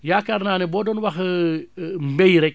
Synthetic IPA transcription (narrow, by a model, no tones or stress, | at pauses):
jaːkaɾnaːnɛbɔːdɔːnwɐx | mbejɾɛk̚